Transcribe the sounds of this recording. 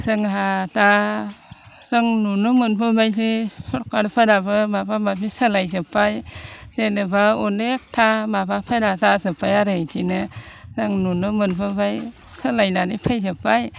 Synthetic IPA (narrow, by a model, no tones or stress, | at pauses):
sɯŋɦata | z̥ɯŋnunɯmɯnbʰɯbajzisɔɾkaɾpʰɯɾabɯmabamabisɯlajzɯpʰajz̥enɯbaɔnek̚tʰamabapʰajɾazazɯpʰajaɾɯtʰinɯ | zaŋnunɯmɯnpʰɯbaj | sɯlajnanipʰajzɯpaj